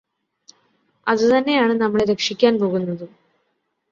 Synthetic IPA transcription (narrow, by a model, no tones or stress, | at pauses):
ɐðɨt̪ɐnːe̞jaːɳɨnɐmːɐɭeɾe̞kʂikʲːaːnpo̞ːɣunːɐðɨ